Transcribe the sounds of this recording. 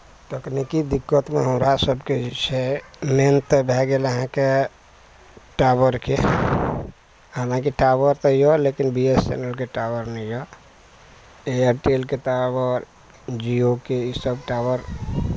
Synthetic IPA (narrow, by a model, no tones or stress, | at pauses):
ʈəknikid̪ikːət̪meɦəmɾasəbket͡ʃʰɛment̪bʱɛɡeləɦãke | ʈabəɾke | ɦalãkiʈabəɾt̪ɔjɔlekinbiest͡ʃɛ̰nəlkeʈabəɾnɛijɔ | eəɾʈelkeʈabəɾ | d͡ʒiokeisəbʈabəɾ